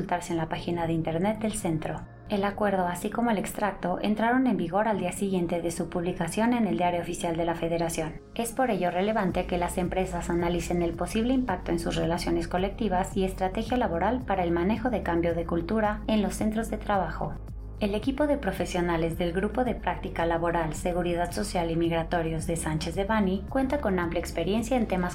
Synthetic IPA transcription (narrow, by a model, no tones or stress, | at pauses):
ult̪aɾsenlapaxinaðeint̪e̞ɾne̞t̪̚d̪e̞lse̞nt̪ɾo̞ | e̞lakwe̞ɾð̞o̞asikomoele̞kst̪ɾak̚t̪o̞ʔe̞̰nt̪ɾaɾo̞ne̞mbiɣo̞ɾald̪iasiɣje̞nt̪e̞ðe̞supuβlikasjo̞ne̞ne̞ld̪jaɾjoofisjald̪e̞lafe̞ðe̞ɾasjo̞n | e̞spo̞ɾe̞ʝo̞re̞le̞βant̪e̞ke̞lase̞mpɾe̞sasanalise̞ne̞lpo̞siβ̞le̞impak̚t̪o̞e̞nsusrelasjo̞ne̞sko̞le̞k̚t̪iβasie̞st̪ɾat̪e̞xjalaβo̞ɾalpaɾaelmane̞xo̞ðe̞kambjo̞ð̞e̞kult̪uɾae̞nlo̞sːe̞nt̪ɾo̞zðe̞t̪ɾaβ̞axo̞̰ | e̞le̞kipo̞ðe̞pɾo̞fe̞sjo̞nale̞zðe̞lɣɾupo̞ðe̞pɾʔak̚t̪ikalaβo̞ɾalse̞ɣuɾiðaðso̞sjalimiɣɾat̪o̞ɾjozðe̞sant͡ʃezðeβanikwe̞nt̪ako̞nampljaekspe̞ɾje̞nsjaent̪e̞mas